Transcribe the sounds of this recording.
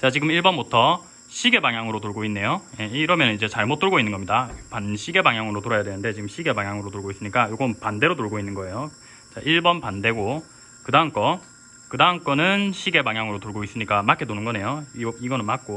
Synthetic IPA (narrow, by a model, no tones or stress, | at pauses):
t͡ɕat͡ɕiɡɯmiɭbʌmbutʰʌ | ɕʰiɡe̞baŋjaŋɯɾotoɭɡoinːe̞joje̞ɾʌmjʌnɯnid͡ʑe̞t͡ɕaɭmot͈̚ɯɭɡoinːɯnɡʌmɲidapanɕʰiɡe̞baŋjaŋɯɾotoɾajadwe̞nɯnde̞t͡ɕiɡɯmɕʰiɡe̞baŋjaŋɯɾotoɭɡois͈ɯmɲik͈ajoɡʌnpande̞ɾotoɭɡoinːɯnɡʌe̞jo | t͡ɕaʔiɭbʌnpande̞ɡo | kɯdaɦŋk͈ʌ | kɯdaɦŋk͈ʌnɯnɕʰiɡe̞baŋjaŋɯɾotoɭɡois͈ɯmɲik͈amakʰetonɯnɡʌne̞joiɡʌnɯnmak͈̚o